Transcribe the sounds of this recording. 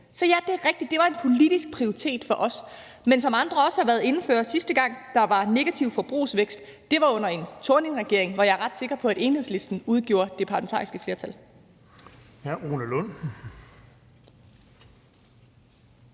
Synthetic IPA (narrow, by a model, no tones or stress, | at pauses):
sɒ̽jæd̥e̝æʁɛɡ̥̚d̥id̥ːe̝ʋɑ̈e̝npʰo̝lid̥isɡ̥̚pʰʁioʁit͡sʰe̝̰ːd̥fɒ̽ʔɒ̽s | mensɒ̽mɑ̈nd̥ʁɐɒ̽səhɑ̈ʋæɐðˠe̝nn̩føːɐsisd̥əɡ̥ɑ̈ŋ̰d̥ɑ̈ʋɑ̈ne̝ɡ̥æt͡sʰiʊ̰fɒ̽b̥ʁṵːsʋeɡ̥sd̥d̥e̝ʋɑ̈ɔ̽n̰ɐe̝nt͡sʰoɐne̝nʁɛɡ̥e̝ɐeŋʋɑjɑ̈æɐʁɑ̈d̥se̝ɡ̥ʁɐpʰɒ̽æɾ̥e̝ːnheð̞̰ˠsle̝sd̥n̩uð̞ˠɡ̥jo̝̰ːɐd̥e̝pʰɑ̈læment͡sʰɑ̰ːisɡ̥əfle̝ɐt͡sʰæl | hæʔo̝ːnəlɔn̰